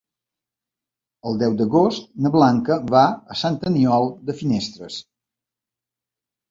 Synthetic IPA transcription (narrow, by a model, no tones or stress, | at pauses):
əlˠd̪ɛwd̪əɣost̪nəβlaŋkəβaəsant̪əniɔlˠd̪əfinest̪ɾəs